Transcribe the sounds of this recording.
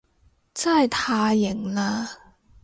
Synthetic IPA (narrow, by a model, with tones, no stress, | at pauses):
t͡sa˥˩jt̪ʰaː˧jɪ˨˩ŋlaː˧